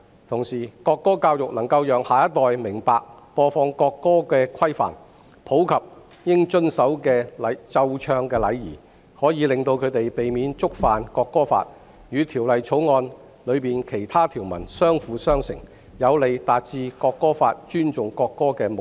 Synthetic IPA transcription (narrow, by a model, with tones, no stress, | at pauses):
t̪ʰʊ˨˩ŋsiː˨˩kɔː˧kːɔː˥kaː˧wjʊ˨k̚nɐ˨˩ŋkɐ˧wjœː˨˩ŋhaː˨jɐ˥t̪ːɔː˨jmɪ˨˩ŋpaː˨˧k̚pɔː˧fɔː˧ŋkɔː˧kːɔː˥kɛː˧kʰɐ˥jfa̰ː˨˩n | pʰo˨˥wkʰɐ˨p̚ | jɪ˥ŋt͡ʃɵ˥nsɐ˨˥wkɛː˧lɐ˨t͡sɐ˧wt͡ʃʰœː˧ŋkɛː˧lɐ˨˧jjḭː˨˩ | hɔː˨˥jiː˨˧lɪ˨ŋt̪o˧wkʰɵ˨˧ɥt̪e˨jpe˨jmiː˨˥nt͡sʊ˥k̚faː˨nkɔː˧kːɔː˥fa̰ː˧t̚ | jyː˨˧t̪ʰiː˨˩wlɐ˨jt͡ʃʰo˨˥wŋɔː˧n | lɵ˨˧ɥpiː˨˩nkʰe˨˩jt̪ʰaː˥t̪ʰiː˨˩wmɐ̰˨˩nsœː˥ŋfuː˨˧sœː˥ŋsɪ̰˨˩ŋ | jɐ˨˧wle˨˩jt̪aː˨t̚t͡siː˧kɔː˧kːɔː˥faː˧t̚t͡ʃyː˥nt͡ʃʊ˨ŋkɔː˧kːɔː˥kɛː˧mo˨